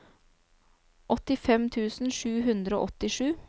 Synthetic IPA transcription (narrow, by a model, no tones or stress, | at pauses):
ʔɔt̪ɪfɛmt̪ʰʉːsn̩ʂʉːɦʉnd̪ɾəo̰ːʔɔt̪ɪʂʉː